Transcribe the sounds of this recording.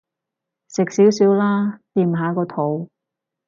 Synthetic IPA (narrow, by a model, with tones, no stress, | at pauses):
sɪ˨k̚siː˨˥wsiː˨˥wlaː˥t̪iː˧mɦaː˨˥kɔː˧t̪ʰo˨˥w